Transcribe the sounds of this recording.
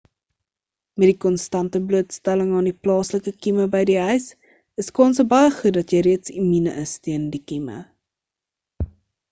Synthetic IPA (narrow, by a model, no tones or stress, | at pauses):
mɛdikɔnstɐntəbluətstæləŋɑːndiplɑːsləkəkiməbəjdiœɥs | əskɑːnsəbɐjəχut̚dɐtjəjɾiətsiminəʔəstiəndikimə̰